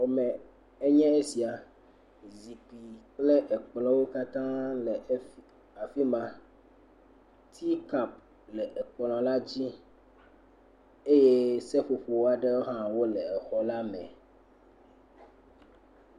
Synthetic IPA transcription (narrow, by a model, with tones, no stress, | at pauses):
wo˨mɛ̃˨ | e˦ɲɛ̃˦e˦si˨a˨ | zi˨k͡pi˨k͡ple˦ʔɛ˨k͡plɔ̃˦wo˦ka˦t̪ã˦lɛ˨˦ | a˨fi˦mã˨ | t̪ʰi˦ka˨p̚ | lɛ˨ʔɛ˨k͡plɔ̃˨la˦d͡ʑi˦ | e˦je˦sɛ˦ɸo˨ɸo˨wo˦a˦ɖe˦wo˦ɦã˦wo˦lɛ˨ɛ˨xɔ˨la˦mɛ̰̃˨